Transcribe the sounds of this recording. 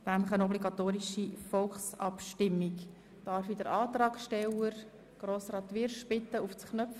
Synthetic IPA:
næmləχənɔbliɡɑt̪oːɾiʃifɔlχsɑ̰pʃtɪmːik | d̥ɑɾfid̥̪əɾɑːt̪rɑːkʃtɛləɾ | ɡ̥ɾoːsrɑːt̪ʋɪɾʃpɪt̪ːəuft͡sknœf

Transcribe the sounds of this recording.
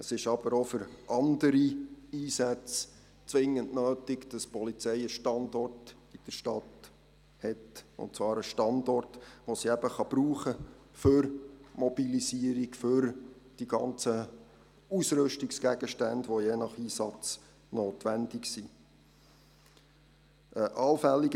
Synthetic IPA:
əsɪʃɑb̥əɾofʏɾʔɑndəɾiiːsæt͡s | t͡sʋɪŋənnøːtɪkd̥ɑspɔlit͡sɛjəʃtɑndɔrt | id̥əɾʃtɑt | hɛtʊ̰ntt͡svɑːɾəʃtɑndɔrtʋosiɛb̥əχɑb̥ɾuːχə | fʏɾmɔbilisiəɾikfʏɾ | d̥iɡɑnt͡sə | usɾɵʃtiksɡ̥æɡəʃtændʋojeːnɑχiːsɑt͡s | noːtʋænd̥ɪksi | ʔəʔɑlfɛlːiɡ

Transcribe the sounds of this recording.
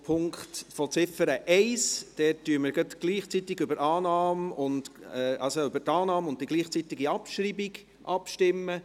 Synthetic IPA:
pʰʊŋktfɔt͡sɪfəɾəʔɛɪsd̥ɛːtːyəməɾɡət̪ɡ̥liːχt͡sit̪ɪɡʏbəɾʔɑːnɑːmʊndɛʔɑlsoʏbəɾtɑːnɑːmʊndd̥iɡliːχt͡sit̪ɪɡiɑpʃɾiːbɪɡ | ʔɑpʃtɪmːə

